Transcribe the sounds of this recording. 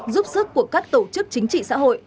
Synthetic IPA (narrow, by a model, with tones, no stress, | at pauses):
zu˦˥p̚sɨ˦˥kːu˧˩əkaː˦˥k̚t̪o˧˩t͡ɕɨ˦˥k̚t͡ɕï˨˦ŋ̟t͡ɕḭ˧˨sa̰ː˧˥ɦo̰˧˨jʔ